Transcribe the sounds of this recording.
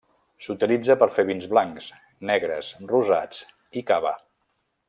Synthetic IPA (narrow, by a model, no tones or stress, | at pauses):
sut̪ilid͡zəpəɾfeβinzβlaŋks | nɛɣɾə̰sruza̰t͡s | ikaβə̰